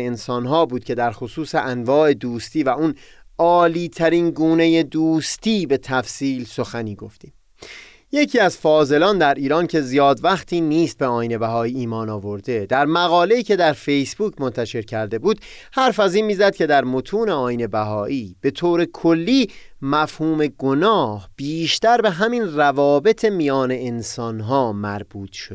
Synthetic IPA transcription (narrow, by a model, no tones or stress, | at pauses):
ensɒːnɦɒːbuːd̪̚cʰe̞d̪æɾxosuːse̞ʔænvɒːe̞d̪uːst̪iːvæʔunɒːliːt̪ʰæɾiːnɡuːne̞je̞d̪uːst̪iːbe̞t̪ʰæfsiːlso̞xæniːɡoft̪iːm | je̞cʰiːæzfɒːze̞lɒːnd̪æɾiːɾɒːncʰe̞zijɒːd̪væxt̪ʰiːniːst̪̚beɒːjine̞bæɦɒːiːiːmɒːnɒːvo̞ɾd̪e̞d̪æɾmæɣɒːle̞iːcʰe̞d̪æɾfe̞jsbuːcʰmo̞nt̪ʰæʃe̞ɾcʰæɾd̪e̞buːd̪̥ | hæɾfæziːnmiːzæd̪̥̚kcʰe̞d̪æɾmo̞t̪ʰuːneɒːjine̞bæɦɒːʔiːb̥e̞t̪ʰoːɾe̞kʰo̞lːiː | mæfhuːme̞ɡonɒːhb̥iːʃt̪æɾbe̞ɦæminrævɒːbe̞t̪ʰe̞mijɒːne̞ːnsɒːnɦɒːmæɾbuːt̪ʃod̪